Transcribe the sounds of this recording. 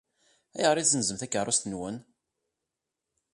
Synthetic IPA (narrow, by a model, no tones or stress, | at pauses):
æ̰jəʁɾːizənzəmθækːərˤːʊst̪ənwən